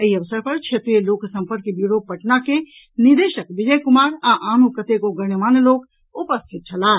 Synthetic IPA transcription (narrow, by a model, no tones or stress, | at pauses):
əɦiəʋsəɾpəɾt͡ʃʰet̪ɾijeloːksə̃mpəɾkbjuɽopəʈnake | nid̪eːʃəkʋɪd͡ʒəjkʊmaːɾãʔaːnukət̪ekoɡənəmaːnloːk | ʊpəst̪ʰɪt̪̚t͡ʃʰɐlaː